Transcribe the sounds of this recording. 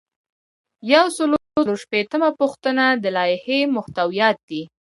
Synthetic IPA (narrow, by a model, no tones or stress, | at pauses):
jawsəloloʃpet̪əmapuxt̪ənad̪əlɑjɪhemʊht̪awijɑt̪̚d̪i